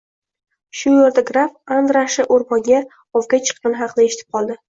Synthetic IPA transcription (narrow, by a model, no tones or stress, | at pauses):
ʃʊjeɾd̪aɡɾafand̪ɾaʃɪʔoɾmɒŋɡʲa | ɒvɡʲat͡ʃʰɨ̥qːɑnɦɑqʰnɪeʃɪt̪ʰɪp̚qʰɒlˠd̪ɪ